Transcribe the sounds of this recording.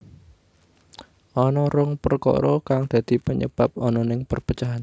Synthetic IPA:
ʔɔnɔɾʊŋpərkɔ̰ɾɔkaŋd̪̥ä̤d̪̥i̤pəɲə̰b̥ap̚ɔnɔnɪŋpərpə̥t͡ʃaɦan

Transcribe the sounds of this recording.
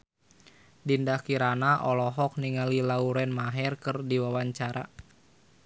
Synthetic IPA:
dindakiɾanaʔɔlɔɦɔk̚niŋalilauɾɛnmaɦɛrkɨrdiwawaɲt͡ʃaɾa̰

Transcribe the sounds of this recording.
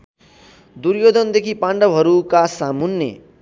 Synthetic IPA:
d̪uɾjod̪ʌnd̪ekʰipãɳɖʌbʱɦʌɾukasamunːḛ

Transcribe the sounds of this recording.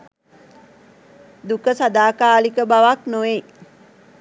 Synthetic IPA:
d̪ukəsad̪aːkaːlikəbaʋaknoʋe

